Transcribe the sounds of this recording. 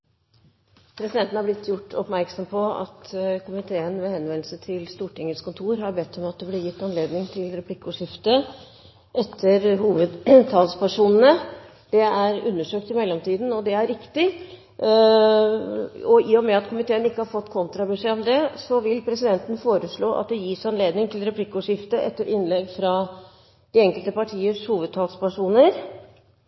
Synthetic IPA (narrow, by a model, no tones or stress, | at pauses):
pʰɾɛsɪd̪ɛnt̪n̩hɑɾblɪt̪ːjʊʈːɔ̰pmæɾksɔmpʰɔɑ̰t̪kʰʊmɪt̪ʰeːənʋɛhɛnʋɛnl̩sət̪ʰɪlst̪uːʈɪŋəlskʰʊnt̪ʰuːɾɦɑɾbɛt̪ʰːɔmɑt̪̚d̪ɛblɪɾjɪt̪ːɑnleːd̪nɪŋt̪ʰɪlɾɛplɪkːʊʂɪft̪ə | ʔɛt̪ʰːəɾhuːʋəd̪t̪ʰɑːlspʰæʂuːnnə | d̪̥ɛæɾʉ̰nːəʂøːk̚t̪ɪmɛlːɔmt̪ʰiːd̪n̩ɔd̪ɛæɾːɪkt̪ɪ | ɔiːɔmɛɑt̪kʰʊmɪt̪ʰeːənɪkːəhɑɾfɔt̪ːkʰɔnt̪ɾɑbʉʂɛɔmd̪ɛsɔʋɪlpʰɾɛsɪd̪ɛnt̪ənəfoːɾəʂɭoːʔɑ̰t̪̚d̪ɛjiːsɑnleːd̪nɪŋt̪ʰɪlɾɛpʰlɪkːʊʂɪft̪əʔɛ̰t̪ːəɾʔɪnlɛɡfɾɑ | d̪̥ɪɛŋkəlt̪əpɑʈʰiːəʂhuːʋəd̪̚t̪ʰɑːlspæʂuːnəɾ